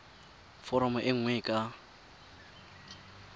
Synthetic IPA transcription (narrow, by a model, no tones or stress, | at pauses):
fɔɾɔmɔʔɪŋ̩ŋwɛkʼa